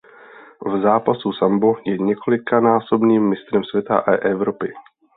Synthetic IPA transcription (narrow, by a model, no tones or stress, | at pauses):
vzaːpasusambojɛɲɛkʰo̞lɪkanaːso̞bniːmːɪst̪ɾɛmsvʲjɛt̪a̰ʔaʔɛvɾopɪ